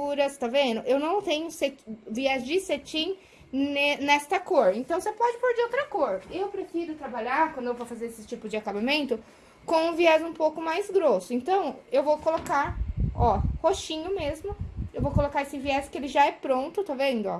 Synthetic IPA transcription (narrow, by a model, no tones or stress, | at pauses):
uɾɐst̪ovẽnd̪ʊʔewnɐ̃w̃t̪ẽɲʊset͡ʃviɛzd͡ʒɪset͡ʃĩ | enɛst̪ɐkoɾẽnt̪ɐ̃w̃sepɔd͡ʒɪpoɾd͡ʒɪowt̪ɾɐkoɾewpɾefizʊt̪ɾabaʎaɾkwɐ̃nd̪ʊewvowfazeɾesɪt͡ʃipʊzd͡ʒɪakabamẽnt̪ʊ | kõw̃ũviɛzũpowkʊmajzɡɾosʊẽnt̪ɐ̃w̃ewvowkolokaɾɔhoʃĩɲʊmezmʊewvowkolokaɾesɪviɛskɪelɪʒaɛpɾõnt̪ʊt̪ovẽnd̪ʊɔ̰